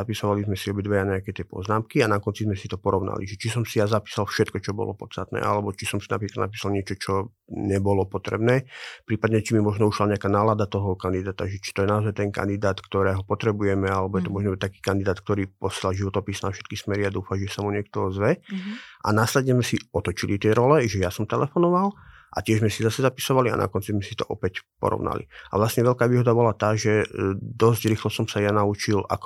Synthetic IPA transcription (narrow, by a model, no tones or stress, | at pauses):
zapisɔʋalizmɛsiɔbid̪ʋɛjaɲɛakɛt̪ɛpɔ̰znaːmkianakɔnt͡sizmɛsit̪ɔpɔɾɔʊna̰lḭʒɛt͡ʃis̬ɔmsijazapi̥ːsalfʃɛt̪kɔt͡ʃɔbɔ̰lɔ̰pɔ̰t̪t͡st̪at̪nɛ̰ːʔa̰lɛbɔt͡ʃisɔmsina̰pɾiklad̪na̰p̬iːsalɲɪɛt͡ʃɔt͡ʃɔ | ɲɛbɔlɔpɔt̪ɾɛ̰bnɛːpɾiːpad̪ɲɛt͡ʃimimɔʒnɔuʃlaɲɛakaːnaːlad̪at̪ɔɦɔkand̪id̪aːt̪aʒɛt͡ʃi̥t̪ɔjɛnaɔzajt̪ɛnka̰nd̪id̪aːt̪kt̪ɔɾɛːɦɔpɔt̪ɾɛbujɛmɛalɛbɔjɛt̪ɔmɔʒnɔbɛt̪akiːkand̪id̪aːt̪kt̪ɔɾiːpɔslalʒiʋɔt̪ɔpisnafʃɛ̥t̪̚kismɛɾiad̪uːfaʒɛsamuɲɪɛkt̪ɔzʋɛʔa̰naːslɛd̪ɲɛzmɛsiɔt̪ɔt͡ʃilit̪ɪɛɾɔlɛʒɛjasɔmt̪ɛlɛfɔnɔʋal | ʔa̰cɪɛʒzmɛsizasɛzapi̥sɔʋalia̰na̰kɔnt͡sizmɛsit̪ɔ̰ʔɔpɛcpɔ̰ɾɔ̰ʋna̰lḭa̰ʋlasɲɛʋɛlkaːʋiːɦɔd̪abɔlat̪aːʒɛd̪ɔzɟɾiːxlɔsɔmsajanaut͡ʃilʔa̰k